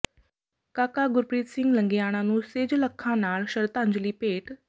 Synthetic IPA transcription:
kakaɡuɾpɾiːt̪siŋɡləŋɡijaɽ̃anuːsed͡ʑləkʰːanaɭɕəɾt̪aɲd͡ʑliːpeʈ

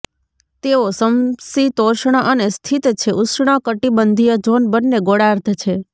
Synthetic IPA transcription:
t̪eosəmsit̪oʃɳ̃əʔənest̪ʰit̪t͡ʃʰeʔuʃɳ̃əkəʈibənd̪ʱijəd͡ʒonbənːeɡoɽaɾt̪ʰt͡ʃʰe

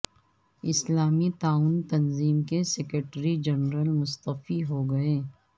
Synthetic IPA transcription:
ɪslaːmit̪aːuːnt̪ɐnziːmkesɛkɾeʈɾid͡ʒɐnɾəlmʊst̪əfiɦoɡɐeː

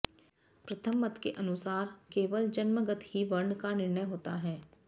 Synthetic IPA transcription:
pɾɐt̪ʰəmːət̪keʔɐnʊsaːɾkeːʋəld͡ʒɐnməɡət̪ɦiʋɐɾɳkanɪɾɳəjɦoːt̪aɦɛː

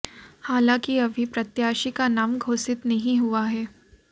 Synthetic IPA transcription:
haːlãːkiɐbʱipɾɐt̪jaːʃikanaːmɡʱoːsɪt̪nɐɦĩɦuaɦɛː

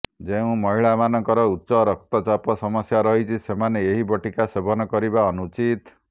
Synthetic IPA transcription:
d͡ʒeũmɔɦiɭamanɔŋkɔɾɔutːsɔɾɔk̚t̪ɔt͡ʃapɔsɔmɔsjaɾɔɦit͡ʃʰisemaneeɦibɔʈikasebɔnɔkɔɾibaɔnut͡ʃit̪

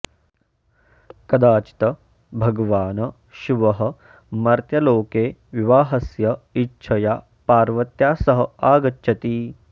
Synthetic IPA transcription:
kɐd̪aːt͡ʃi̥t̪ɐ | bʱɐɡɐʋaːnɐ | ʃuʋɐɦɐ̆ | mɐɾt̪jɐloːkeːʋiʋaːɦɐsjɐitːʃʰɐjaː | paːɾʋɐt̪jaːsɐɦɐ̆aːɡɐtːʃʰɐt̪iː

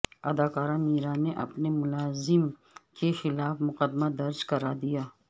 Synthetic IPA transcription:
ɐd̪aːkaːɾãmiːɾãneʔɐ̰pnemʊlaːzɪm | kexɪlaːfmʊqəd̪mad̪ɐɾd͡ʒkɐɾad̪ijaː

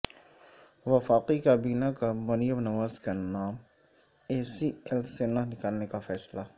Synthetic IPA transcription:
ʋɐfaːqikabiːnakamɐnijəbnɐʋaːzkanaːm | eːsiɛlsenaɦnɪkaːlnekafɛːsla

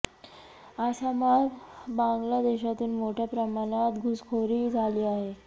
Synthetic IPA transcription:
aɕaməɾbãŋɡlad̪eɕat̪iːlmoʈʰjapɾəmaɽ̃at̪ɡʱuskʰoɾiːd͡zʱaliːaɦe

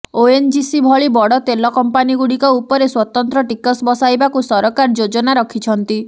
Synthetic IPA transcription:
oend͡ʒisibʱɔɭibɔɽɔt̪elɔkɔmpaniɡuɽikɔupɔɾeswɔt̪ɔnt̪ɾɔʈikɔsbɔsajbakusɔɾɔkaɾd͡ʒod͡ʒɔnaɾɔkʰit͡ʃʰɔnt̪i

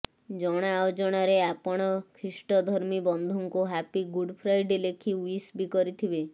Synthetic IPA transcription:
d͡ʒɔɽ̃aod͡ʒɔɽ̃aɾeapɔɽ̃ɔkʰɾisʈɔd̪ʱɔɾmibɔnd̪ʱɔŋkuɦapiɡuɖpʰɾajɖelekʰiuisbikɔɾit̪ʰibe

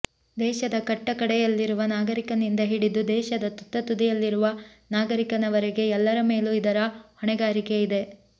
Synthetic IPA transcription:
d̪ɛːʃɐd̪ɐkɐʈːɐkɐɽɛjɐlːiɾuʋɐnaːɡɐɾikɐnind̪ɐɦiɽid̪ud̪ɛːʃɐd̪ɐt̪ut̪ːɐt̪ud̪ɛjɐlːiɾuʋɐ | naːɡɐɾikɐnɐʋɐɾɛɡe̞ɛlːɐɾɐme̞ːluid̪ɐɾɐhɔɳɛɡaːɾike̞id̪e̞

